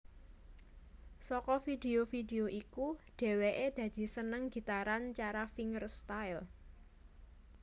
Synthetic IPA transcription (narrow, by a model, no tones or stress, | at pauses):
sɔkɔfid̪eofideoʔikuɖ̪̥e̤weʔed̪̥ä̤d̪̥i̤sənəŋɡi̤t̪aɾant͡ʃaɾafiŋərst̪aɪl